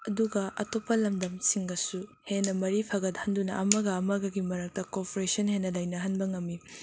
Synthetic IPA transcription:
ɐduɡɐʔɐ̰topːɐlɐmdɐmsiŋɡɐsuhenːɐmɐɾipʰɐɡɐdɐhɐndunɐʔɐmɐɡɐːmɐɡɐɡimɐɾɐk̚tɐkoɾpɾesɐnhenːɐlɐjnɐɦɐnbɐŋɐmːi

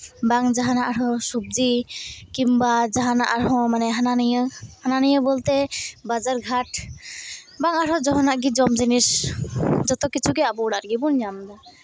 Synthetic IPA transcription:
baŋd͡ʒaɦanaʔaɾɔ̃sub̚d͡ʒikimbad͡ʒaɦanaʔaɾɦɔ̃manɛɦananijəhananijəbolt̪ɛbad͡ʒaɾɡʱaʈ | baŋaɾɔd͡ʒɔɦɔnaʔɡid͡ʒɔmd͡ʒinis | d͡ʒɔt̪ɔkit͡ʃʰukɛabɔɽaɾɡibunɲamd̪a

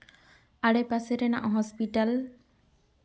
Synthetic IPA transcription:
aɽɛpaseɾɛna̰ʔɦɔspiʈal

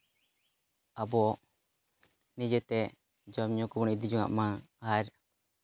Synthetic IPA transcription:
abɔ | nid͡ʒɛt̪ɛ | d͡ʒɔmɲɔkɔbɔnid̪id͡ʒɔŋa̰ʔma | haɾ

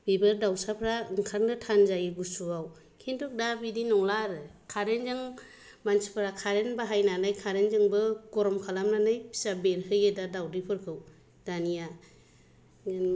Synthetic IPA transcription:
bibɯɾdawsapʰɾaɯŋkʰaɾnɯtʰanzajɯɡusuaw | kʰintʰuk̚dabidinɔŋlaɾɯkʰaɾenzɯŋ | mansi̥pʰɯɾakʰaɾenbaɦajnanɯjkʰaɾenzɯŋbɯɡ̥ɔɾɔmkʰalamnanɯjpʰi̥sabeɾhɯjɯdadawdipʰɯɾkʰɯw | d̥anija

